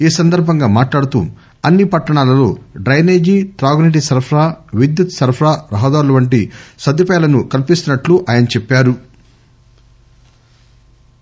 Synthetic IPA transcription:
iːsɐnd̪ɐɾbʱɐŋɡaːmaːʈlaːɽut̪ṵ | ɐnːipɐʈːɐɳaːlɐlo̞̰ːɖɐjne̞ːd͡ʒiːt̪ɾaːɡniʈ̬isɐɾpʰɾaːʋid̪jut̪sɐɾpʰɾaːɾɐɦɐd̪aːɾulɐʋɐɳʈisɐd̪ipːlɐnukɐlipist̪unɐʈluʔaːjɐnɐt͡ʃɛpːaːɾu

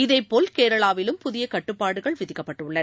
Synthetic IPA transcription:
ɪðeɪpːoːlkeːɾɐɭaːʋɪlɯmpʊðɪjɐkɐʈːɯpːaːɽɯɣɐɭʋɪðɪkːɐpːɐʈːɯɭːɐɾ

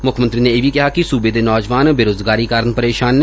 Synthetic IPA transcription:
mʊkʰmə̃nt̪ɾineebʱikɐɦakisuːbed̪enɔːd͡ʒʋaːnbeɾoːzɡaːɾikaːɾənpɐɾeːʃaːnː

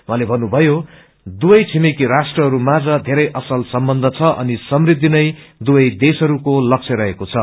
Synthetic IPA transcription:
mʌɦalebʱʌnːubʱʌjo | d̪ubʌjt͡sʰimekiɾasʈrʌɦʌɾumad͡zʌd̪ʱeɾʌjʔʌsʌlsʌmbʌnd̪ʱʌt͡sʰʌʔʌ̰nisʌmrid̪ːinʌj | d̪ubʌjd̪esʌɾukolʌk̚t͡sʰʌɾʌɦekot͡sʰʌ

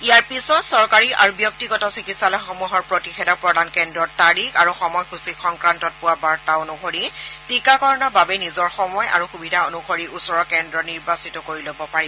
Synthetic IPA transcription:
ijaɹpisɔtsɔɹkaɹiʔa̰ɹubjɔk̚tiɡɔtɔsikitsalɔjxomuɦɔɹpɹotixɛdɔk̚pɹɔdʱankɛndɹɔtːaɹikaɹuxɔmɔjxusixɔŋkɹantɔt̚pʊwabaɹtaonuxoɹitikakɔɹɔnɔbabɛnizɔɹxɔmɔja̰ɹuxubidʱaonuxoɹiʔusɔɹɔkɛndɔniɹbasitɔkoɹilobɔpaɹiɔ

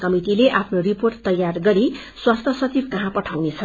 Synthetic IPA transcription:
kʌmit̪ileʔapʰnoriporʈt̪ʌjːarɡʌɾi | swast̪ʰʌsʌt͡sibkʌɦãpʌʈʰawnet͡sʰʌ

